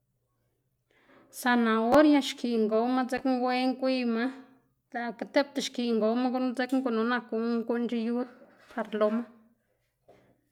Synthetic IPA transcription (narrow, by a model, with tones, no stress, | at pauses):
sa˧nã˨o˦ɾja˧ʃkʰi˨ŋɡo˨˦ma˦d͡ze˦kŋ˦ɡʷe˦ŋkʷi˦ma˦ | la˨ka˧t̪e˦p̚t̪a˧ʃki˨ŋɡo˨˦ma˦ɡu˦n˧d͡ze˦kŋku˦˧no˧na˧ku˧ku˦nt͡ʃi˧ju˦d̪ | pʰa˨ɾlo˧ma˦